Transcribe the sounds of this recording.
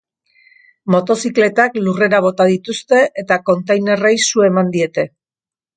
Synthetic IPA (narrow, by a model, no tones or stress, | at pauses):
mo̞t̪o̞sikle̞t̪aklure̞ɾaβ̞o̞t̪aðit̪ust̪e̞ʔet̪ako̞nt̪ejne̞rejsue̞mand̪ie̞t̪e̞